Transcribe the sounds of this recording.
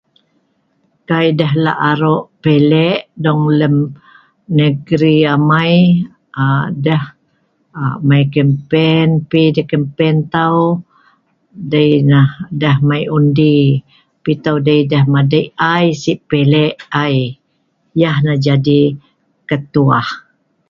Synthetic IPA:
kajdəɦla̰ʔaɾoʔpelɛʔdɔŋləm | nəɡɾiamaj | adəh | majkəmpɛnpidəhkəmpɛnt̪aw | dəjnahdəɦmajundi | pit̪awdəjdəhmadəjajsiʔpelɛʔaj | jahnahd͡ʒadi | kət̪uah

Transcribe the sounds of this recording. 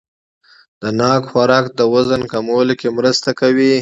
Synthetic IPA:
d̪̥ənɑkxaɾɑkd̪əwazənkamawəlokemɾəst̪akawi

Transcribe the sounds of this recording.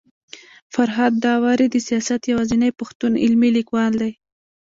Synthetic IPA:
faɾɦɑd̪ːɑwɑɾid̪əsijɑsat̪jawɑzinajpaxt̪unɪ̰lmilikwɑld̪aj

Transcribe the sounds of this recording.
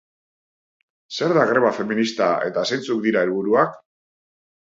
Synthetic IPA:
se̞ɾðaɣɾe̞βafe̞minist̪ae̞̰t̪asent͡sukd̪iɾae̞lβuɾuak

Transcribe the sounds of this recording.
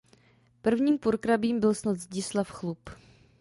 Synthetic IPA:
pr̩vɲiːmpuɾkɾabiːmbɪlsnat̪zɟɪslafxlup

